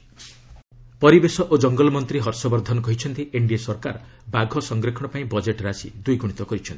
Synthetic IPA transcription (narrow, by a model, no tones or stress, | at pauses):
pɔɾibesɔʔod͡ʒɔŋɡɔlɔmɔnt̪ɾiɦɔɾsɔbɔɾd̪ʱɔnɔkɔɦit͡ʃʰɔnt̪iʔeɳɖiasɔɾka̰ɾ | baɡʱɔsɔŋɡɾekʰɔɽ̃ɔpaĩbɔd͡ʒeʈɾasḭd̪ujɡuɽit̪ɔkɔɾit͡ʃʰɔnt̪i̥